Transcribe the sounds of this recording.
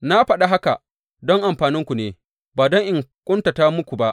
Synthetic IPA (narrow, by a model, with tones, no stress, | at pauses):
na˦ɸɐ˦ɗa˦ɦa˦ka˨ | dɔ˦ŋʔa˨mɸaː˨nɪ˦ŋkʷu˨neː˨ | baː˨dɔ˦ŋʔɪ˨ŋkʷʼʊ˦nta˨taː˦mʊ˦kʷu˨ba˦ʔ